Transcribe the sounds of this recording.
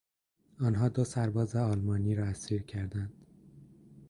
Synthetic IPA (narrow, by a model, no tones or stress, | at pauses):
ɒːnɦɒːd̪osæɾbɒːzeɒːlmɒːniːɾɒːæsiːɾcʰæɾd̪ænd̪̥